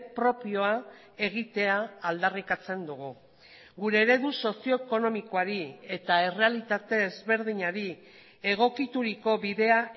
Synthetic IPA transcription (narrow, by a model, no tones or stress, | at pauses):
pɾo̞pio̞a | e̞ɣit̪e̞aːld̪arikat͡se̞nd̪uɣ̞u | ɣuɾe̞ːɾe̞ðuso̞sio̞eko̞no̞miko̞aɾie̞t̪ae̞re̞alit̪at̪e̞ːzβe̞ɾðiɲaɾi | e̞ɣ̞o̞kit̪uɾiko̞βiðe̞a